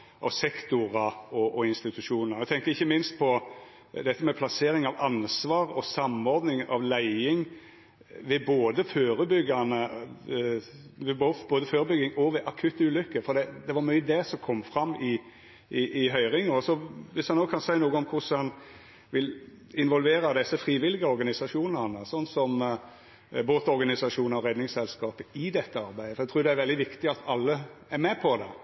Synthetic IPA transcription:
ʔɑ̰sɛkt̪ʊɾɑɔɔɪnst̪ɪt̪ʉʂuːnnəʁæɪt̪ʰɛŋkəɾɪçːəmɪnst̪̚pʰɔ | d̪ɛt̪ːəmɛpʰlɑseːɾɪŋɑʋɑnsʋɑːɾɔsɑmɔɾd̪nɪŋɑ̰ʋlæɪɪŋ | ʋɛboːd̪əføːɾəbʏɡɑnə | ʋɛbob̥oːd̪əføːɾəbʏɡːɪŋɔʋɛʔɑkʰʉt̪ːəʉːlʏkːəfɔɾd̪ɛd̪ɛʋɑɾmyəd̪ɛsɔmkʰɔmːfɾɑmːɪ | ɪʔɪɦœʏɾɪŋɔsɔʋɪshɑnnoːkʰɑnsæɪnuːɡəɔmkʰʊsɑn | ʋɪl | ɪnʋɔlʋeːɾɑd̪ɛsːəfɾiːʋɪlɪɡəɔɾɡɑnɪsɑʂuːnənəsɔnːsɔm | boːt̪ɔɾɡɑnɪsɑʂuːnəɔɾɛd̪nɪŋsɛlskɑːpəɪd̪ɛt̪ːəɑɾbæɪd̪əfɔɾæɪt̪ɾuːɾd̪ɛæɾʋɛld̪ɪʋɪkt̪ɪɑt̪ʰɑlːəæɾmɛpʰɔd̪ɛ̰

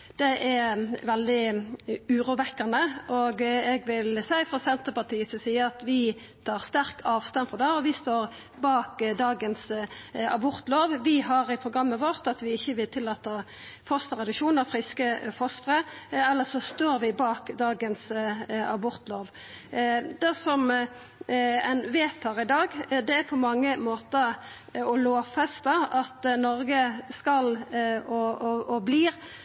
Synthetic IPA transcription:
d̪̥ɛʔæɾʋɛld̪ɪ | ʉːɾuːʋɛkːɑnəʔoɡɛɡʋɪlsæɪfɾɔsɛnt̪əpɑt̪ʰiːəsɔsiːəɾɑt̪ʋɪ | t̪ʰɑːʁst̪æɾkʰɑːʋst̪ɑnfɔd̪ɑːɔʋɪst̪oːʁ | bɑːkd̪ɑːɡənsɑ̰bʊʁt̪loːʋʋɪhɑʁɪpʰɾʊɡɾɑmːəʋoːʁt̪ɑt̪ʋɪɪçːəʋɪlt̪ʰɪlːɑːt̪ɑ | fɔst̪əʁɛd̪ʉkʃuːnɑfɾɪskəfɔst̪ʁəɛlːəsɔst̪oːɾʋɪbɑːkd̪ɑːɡənsɑ̰bʊɾt̪loːʋ | d̪̥ɛsɔm | æɪnʋeːt̪ʰɑʁɪd̪ɑːɡd̪ɛæɾpʰɔmɑŋːəmoːt̪əɾ | ɔloːfɛst̪əɑt̪nɔʁɡəskɑlɔɔbliːʁ

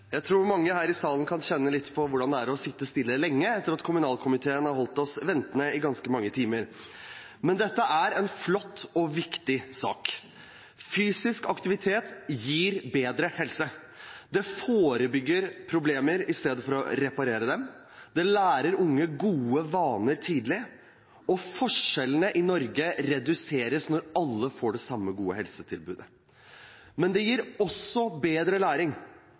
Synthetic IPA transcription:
jæɪt̪ʰɾuːɾmɑŋːəhæːɾɪsɑːlənkʰɑnɕɛnːəlɪt̪ːpʰɔʋʊɖɑnd̪ɛæɾɔsɪt̪ːəst̪ɪlːəlɛŋːəɛt̪ːəɾɑt̪kʰʊmʉnɑːlkʰʊmɪt̪ʰeːənhɑɾɦɔlt̪ɔsʋɛnt̪ənəɪɡɑnskəmɑŋːət̪ʰiːməɾ | mɛnd̪ɛt̪ːəʔæɾɛnflɔt̪ːɔʋɪkt̪ɪsɑ̰ːk | fyːsɪskɑkt̪ɪʋɪt̪ʰeːt̪jiːɾbeːd̪ɾəhɛlsə | d̪ɛfoːɾəbʏɡːəɾpʰɾʊbleːməɾɪst̪eːd̪əfɔɾɔ̰ɾɛpɑɾeːɾəd̪ɛm | d̪ɛlæːɾəɾʊŋːəɡuːəʋɑːnəɾt̪ʰiːd̪lɪ | ɔfɔʂɛlənəʔɪnɔɾɡəɾɛd̪ʉseːɾəsnɔɾɑlːəfoːɖɛsɑmːəɡuːəɦɛlsət̪ʰɪlbʉːd̪ə | mɛnd̪ɛjiːɾɔsɔbeːd̪ɾəlæːɾɪŋ

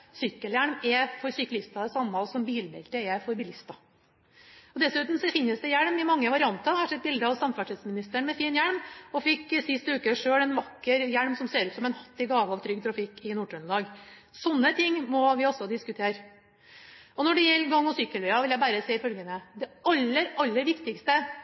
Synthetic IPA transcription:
sʏkːəljæɳmɛfɔɾsʏklɪst̪ɑd̪ɛsɑmːɑsɔmbiːlbɛ̰lt̪əɛfɔɾbɪlɪst̪ɑ | ɔd̪ɛsʉːt̪nm̩sɔfɪnːəsd̪ɛjæɳmɪmɑŋːəʋɑɾɪɑnt̪ɑhɑʂɛd̪̚bɪld̪əɑʋsɑmfæʈɪd̪smɪnɪst̪əɳmɛfiːnjæɳmɔfɪkːsɪst̪əʉːkəʂøːɽɛnʋɑkːəɾjæɽmsɔmseːɾʉːt̪sɔmɛnhɑt̪ːɪɡɑːʋəɑʋt̪ʰɾʏɡ̚t̪ʰɾɑfɪkːɪnuːʈʉnlɑːɡ | sɔnːət̪ʰɪŋːmɔʋɪɔsːɔd̪ɪskʉt̪ʰeːɾ | ɔnɔɖɛjɛlːɡɑŋːɔsʏkːəlʋɛɑʋɪljæɪbæːɾəsɛːɪfœlɡənəd̪ɛɑlːəɾɑlːəɾʋɪkt̪ɪkst̪ə

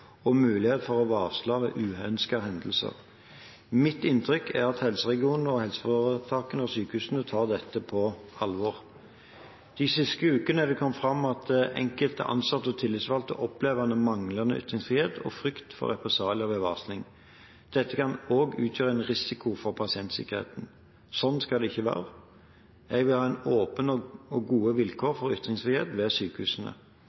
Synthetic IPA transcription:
ɔmʉːlɪheːt̪fɔʁɔʋɑːʁslɑːʋḛːʔʉːœnskəɦɛnd̪əl̩sə̰ʁ | mɪt̪ɪnt̪ʰɾʏkʰæʁɑt̪hɛlsəʁɛɡɪuːnəɔhɛlsəfoʁət̪ʰɑːkənəɔsyːkəhʉːsənət̪ʰɑːʁd̪ɛt̪ːəpʰɔɑlʋɔʁ | d̪̥ɪsɪst̪əʉːkənəæʋɪkʰɔmːfʁɑmɑt̪̚d̪ɛʔɛ̰ŋkəlt̪ə̰ʔɑ̰nsɑt̪ːəɔt̪ʰɪlːɪt̪sʋɑlt̪ə̰ʔɔpleːʋɑnəmɑŋlɑnəʔʏ̰t̪ɾɪŋsfʁiːheːt̪ʰɔ̰fɾʏkt̪fɔ̰ɾʁɛpɛsɑːlɔʋɛʋɑːsnɪŋ | d̪̥ɛt̪ːəkʰɑnoːɡʉːt̪ʰjøːɾəɛnʁɪsɪkʊfɔʁpʰɑsɪɛnt̪sɪ̰kəʁhḛːt̪n | sɔnskɑld̪ɛɪçːəʋæ̰ːʁə | ɛɡʋɪlhɑːɛɪnoːpənɔɔɡuːəʋɪlkʰoːɾfɔɾʏt̪ːʁɪŋsfʁiːheːt̪ʋɛːsyːkəhʉːsən̩ə̰

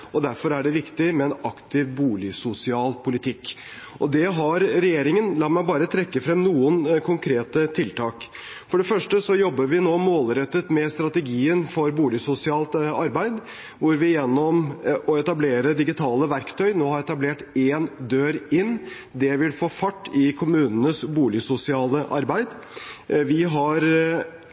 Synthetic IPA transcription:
ɔd̪æɾfɔɾæɖɛʋɪkt̪ɪmɛɛnɑkt̪ɪʋbuːlɪsʊsɪɑːlpʰʊlɪt̪ʰɪkː | ʔɔd̪ɛɦɑɾɾɛjeːɾɪŋənlɑt̪mæɪbɑːɾət̪ʰɾɛkːəfɾɛmːnuːənkʰʊŋkʰɾeːt̪ət̪ʰɪlt̪ʰɑːk | fɔɖɛfœʂʈəsɔjɔbːəɾʋɪnoːmoːlɾɛt̪ːət̪mɛst̪ɾɑt̪ɛɡiːənfɔɾbuːlɪsʊsɪɑːlt̪ɑɾbæɪd̪ | ʋʊɾʋɪjɛnːɔmʔɔɛt̪ɑbleːɾəd̪ɪɡɪt̪ʰɑːləʋæɾkt̪ʰœʏnoːhɑɾɛt̪ɑbleːʈeːnd̪øːɾɪnː | d̪ɛʋɪlfoːfɑʈːɪkʰʊmʉːnənəsbuːlɪsʊsɪɑːləʔɑɾbæɪd̪ | ʋɪɦɑɾ

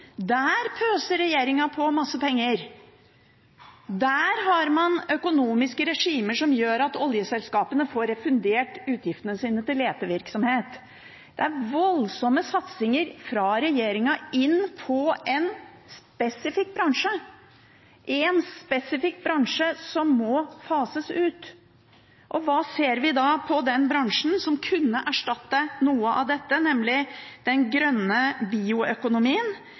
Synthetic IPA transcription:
d̪æːɾpʰøːsəɾɛjeːɾɪŋɑpʰɔmɑsːəpʰɛŋːəɾ | d̪æːɾɦɑɾmɑnœkʊnuːmɪskəɾɛʂiːməʂɔmjøːɾɑt̪ɔljəsɛlskɑːpənəfoːɾɛfʉnd̪eːʈʉːt̪ʰjɪft̪ənəsiːnət̪ɪleːt̪əʋɪɾksɔmheːt̪ | d̪̥ɛæɾʋɔlsɔmːəsɑt̪sɪŋəɾfɾɑɾɛjeːɾɪŋɑɪnpʰɔʔɛn | spɛsɪfɪk̚ːbɾɑŋʂə | ʔɪɛnspɛsɪfɪkːbɾɑŋʂəsɔmːɔfɑːsəsʉːt̪ | ʔɔʋɑːseːɾʋɪd̪ɑpʰɔd̪ɛnbɾɑŋʂn̩sɔmkʰʉnːəʔæʂʈɑt̪ːənuːəʔɑ̰ʋd̪ɛt̪ːənɛmlɪd̪̥ɛnɡɾœnːəbiːʊœkʊnʊmiːən

